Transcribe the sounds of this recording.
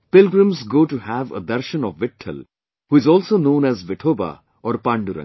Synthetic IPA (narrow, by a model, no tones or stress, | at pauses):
pɪlɡɾə̃mzɡoːʈuhæʋə̰d̪ɐɾʃə̃nɔʋːɪʈʰːə̰l | huːɪzɔːlsoːnõːnæzʋɪʈʰoːba̰ | ʔɔːɾpãːɳɖuɾə̰̃ŋ